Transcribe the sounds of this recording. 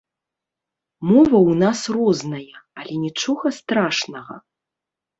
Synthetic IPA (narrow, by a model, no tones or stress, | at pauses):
mɔvɐwnasrɔznɐjɐalʲɛnʲit͡ʂɔɣɐst̪ɾaʂnɐɣɐ̰